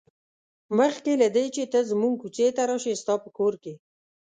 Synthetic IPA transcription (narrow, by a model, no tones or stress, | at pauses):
məxkelad̪et͡ʃet̪əzəmuŋɡ̚kut͡set̪aɾɑʃest̪ɑpəkoɾke